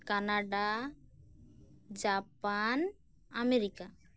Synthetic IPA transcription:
kanaɖa | d͡ʒapan | ameɾika

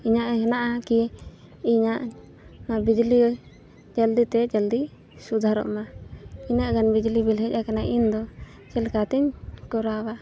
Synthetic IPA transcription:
iɲaʔhɛnaʔaki | iɲaʔ | abid͡ʒli | d͡ʒald̪it̪ɛd͡ʒald̪i | sud̪ʱaɾɔ̰ʔmaiɲaʔɡanbid͡ʒlibilɦɛc̚ʲˀakanaʔind̪ɔ | t͡ʃɛlkat̪ɛɲkɔɾawa

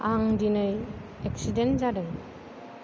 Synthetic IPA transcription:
aŋdinɯjɛksidenzadɯŋ

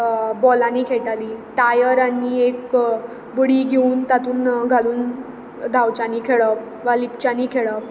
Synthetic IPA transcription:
bɔlaniːkʰeʈaliːʈajəɾaniek | bəɽiːɡʱeuːnt̪at̪uːnɡʱaluːn | d̪ʱawt͡ɕaniːkʰeɭəp | ʋalip̚t͡ɕaniːkʰeɭəp̚

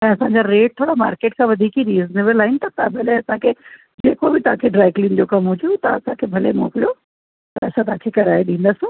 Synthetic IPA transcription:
ɛ̃ːɐsãɲd͡ʑaɾeːʈ̚t̪ʰoːɽama̰ːɾkeːʈkʰãːʋɐd̪ʱiːkiɾiːznɪʋəlaːɪnɪt̪ɐt̪ãbʱɐleɐsãkʰeː | d͡ʑeːkobɪt̪ɐʋ̤ãkʰeɖɾaːɪklĩːnd͡ʑokɐmɦʊd͡ʑot̪ɐɐsãkʰebʱɐlemo̰ːkijo | t̪ɐɐ̰sʰãt̪ɐãkʰekɐɾaːeɗĩːnd̪əsɪ̃

